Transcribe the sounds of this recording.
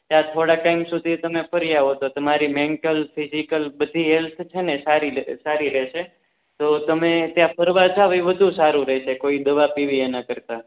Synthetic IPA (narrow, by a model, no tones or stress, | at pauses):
t̪jãt̪ʰoɽaʈaimsud̪ʱit̪əmefʰəɾijaɦot̪ot̪əmaɾimɛɳʈəlfʰizikəlbəd̪ʱiɦelt̪ʰt͡ʃʰenesaɾisaɾiɾɛʃe | t̪ot̪əmet̪jãpʰəɾʋad͡ʒaʋəiʋəd̪ʱũsaɾũɾɛʃekoid̪əʋapiʋienakəɾt̪a